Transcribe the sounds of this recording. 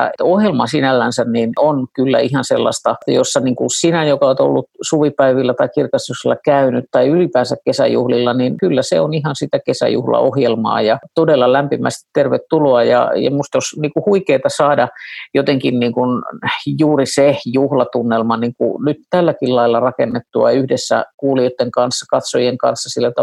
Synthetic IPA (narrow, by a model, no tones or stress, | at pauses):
ɑ̰ohjelmɑsinælːænsænninonkylːæ̰ihɑnsḛlːɑ̰st̪ɑjosːɑniːŋkunsinæjokɑot̪o̰lːut̪suʋipæiʋilːæt̪ɑikirkɑstukselːɑkæynyt̪t̪ɑiylipæːnsækkesæ̰jṵhlilːɑninkylːæsḛonihɑnsit̪ækesæ̰jṵhlɑ̰ohjelmɑ̰ːjɑt̪odelːɑlæmpimæ̰st̪i̥t̪t̪erʋet̪tuloɑjɑ̰jɑ̰must̪osniːkuhuikeit̪ɑsɑːdɑjot̪eŋkinniːŋkunjuːrisejuhlɑt̪unːelmɑniŋkṵnyt̪t̪ælːækillɑilːɑrɑkenːet̪ːuɑ̰yhdesːæ̰kuːliot̪ːeŋkɑnsːɑkɑt̪sojeŋkɑ̰nsːɑsilːæt̪ɑ